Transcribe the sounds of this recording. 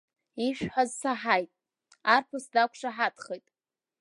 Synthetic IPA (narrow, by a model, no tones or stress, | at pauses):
iʃᶣħazsaħajtʼ | arpʰʊsdakʷʰʂaħatʰχejtʼ